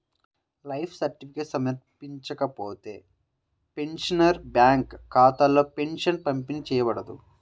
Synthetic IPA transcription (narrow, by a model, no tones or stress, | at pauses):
lɐjpʰsɐɾʈipʰikeːʈsɐmɐɾpiɲt͡ʃɐkɐpoːt̪e̞ː | pe̞nʂɐnɐɾbjaːŋkʰːaːt̪alːo̞ːpe̞nʂɐnpɐmpinit͡ʃɛːjɐbɐɽɐd̪u